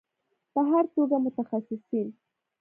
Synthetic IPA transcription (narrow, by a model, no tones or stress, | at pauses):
pəɦaɾt̪oɡamʊt̪axasɪsɪl